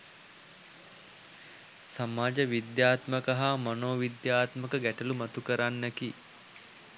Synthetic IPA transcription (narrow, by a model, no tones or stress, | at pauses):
samaːd͡ʒəʋid̪jaːt̪məkaɦamanoːʋid̪jaːt̪məkəɡæʈəlumat̪ukəɾanːəki